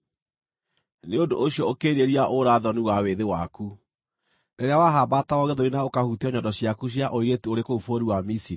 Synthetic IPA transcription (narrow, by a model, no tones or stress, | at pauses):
neodoʔoɕiɔokeɾeɾiaʔoɾaðɔniwaweðewaku | neɾeawaɦabatawɔɣeðoɾinaokahutiɔɲɔdɔɕjakuɕ̬jaʔoiɣetuoɾekoufoɾiwamisiɾi